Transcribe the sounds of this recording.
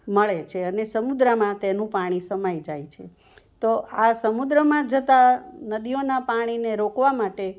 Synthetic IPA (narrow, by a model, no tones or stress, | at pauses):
məɭet͡ʃʰeənesəmud̪ɾəmãt̪enũpaɽ̃isəmajd͡ʒajt͡ʃʰe | t̪oʔasəmud̪ɾəmãd͡ʒət̪anəd̪ijonapaɽ̃ineɾokʋamaʈe